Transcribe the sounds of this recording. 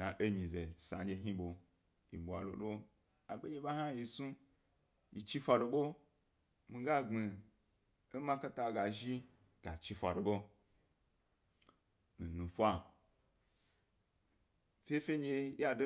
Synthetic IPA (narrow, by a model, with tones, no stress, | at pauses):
a˨ʔe˦ɲĩ˨ze˨sã̰˨d͡ʒe˧ɦĩ˦ɓo˨ | jḭ˨ɓwa˨lo̰˨lo˦ | a˨ɡ͡be˦ɲd͡ʒe˧ɓa˦ɦã˦ji˧su˦ | ji˨t͡ʃi˦fʷa˧do˧ɓo˦ | mĩ˧ɡa˦ŋ͡mi˨ | e˦mã˦ka˦ta˧˨ɡa˨ʒi˦ | ɡ̥a˨t͡ʃi˧fʷa˨do˨ɓo˦ | mĩ˨nũ˨fʷa˦˨ | fʲe˦fʲe˦d͡ʒe˧ja˨do˦